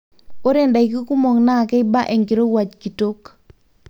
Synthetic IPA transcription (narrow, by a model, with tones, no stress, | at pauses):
o˦ɾɛ˦˨nda˨i˨ki˦ku˦mo˨ŋna˦˨kɛ˦ɪ˦ba˦ʔe˨ŋki˨ɾo˦wa˨t͡ʃki˨to˦k